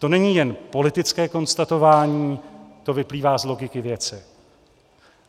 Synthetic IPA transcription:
t̪o̞nɛɲiːjɛnpo̞lɪt̪ɪt͡skɛːko̞nst̪at̪o̞vaːɲiːt̪o̞vɪpliːvaːzlo̞ɡɪkɪvjɛt͡sɪ

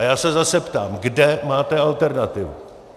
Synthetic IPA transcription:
jaːsɛzasɛpt̪a̰ːmɡdɛmaːt̪ɛalt̪ɛɾnat̪ɪvṵ

